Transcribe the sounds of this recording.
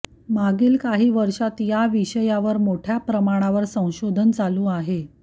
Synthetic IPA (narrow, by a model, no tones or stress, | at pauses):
maɡiːlkaɦiːʋəɾʂat̪jaʋiɕəjaʋəɾmoʈʰjapɾəmaɽ̃aʋəɾsə̃w̃ɕod̪ʱənt͡salũːaɦe